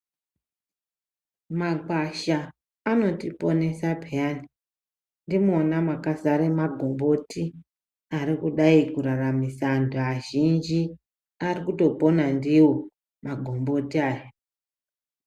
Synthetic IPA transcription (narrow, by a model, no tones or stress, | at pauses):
maɡ͡baʃaː | no̞tipo̞ne̞sabʱejani | ndimonamakazaɾemaɡʱo̞mbo̞ti | aɾikuɗaikuɾaramisandoaʒind͡ʒi | arikuto̞po̞nandiwo̞ | maɡʱo̞mbo̞tiaːja